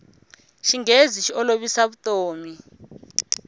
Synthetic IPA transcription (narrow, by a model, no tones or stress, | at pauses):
ʃiŋeziʃiɔloɓisaβutʼoːmi